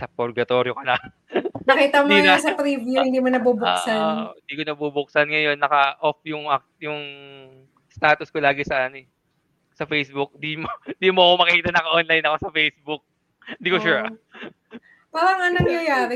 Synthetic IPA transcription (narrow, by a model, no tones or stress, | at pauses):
sɐpoɾɡɐt̪o̞ɾjokɐnɐ | nɐkiːt̪ɐmoiɐɐsɐpɾivjuhɪnd̪imonɐbubʊkːsanɪ̃nd̪iːkonɐbubʊk̚sɐnŋɐjo̞nːɐkɐʔofjʊŋʔɐk̚ | jʊŋ | st̪aːt̪ʊskolaːɡɪsɐʔɐnoɛ | sɐfejsbʊk̚d̪imond̪iːmoʔɐko̞mɐkiːt̪ɐnɐkɐʔonlajnɐko̞sɐfejsbʊk̚ | nd̪iːkoʃuɹ | paːɾɐŋɐnɐŋjɐjaːɾɛ